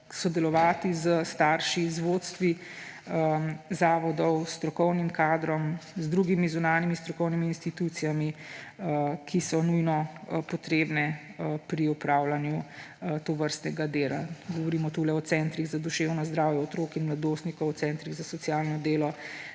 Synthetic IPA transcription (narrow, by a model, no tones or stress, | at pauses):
sɔd̪ɛlɔʋaːt̪izəst̪aɾʃizʋot̪st̪ʋi | əzaːʋɔd̪ɔwst̪ɾɔkɔwnimkaːd̪ɾɔmzd̪ɾuːɡimizunaːnimist̪ɾɔkɔwnimiːnst̪it̪ut̪sijami | kʰisɔnujnɔpɔt̪ɾeːbnɛ | pɾiɔpɾaːwlanju | t̪oʋəɾst̪nɛɡad̪eːla̰ɡɔʋɔɾiːmɔt̪ulɛɔt̪sɛnt̪ɾiɣzad̪uʃeːwnɔzd̪ɾaːwjɛɔt̪ɾoːkinmlad̪oːst̪nikɔwɔtsɛnt̪ɾiɣzasɔt̪sijaːlnɔd̪eːlɔ